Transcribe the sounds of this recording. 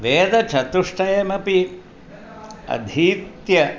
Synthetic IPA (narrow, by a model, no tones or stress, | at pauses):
ʋeːd̪ɐt͡ʃʰɐt̪uʂʈʰɐjemɐpi | ɐ̰d̪ʱiːt̪jɐ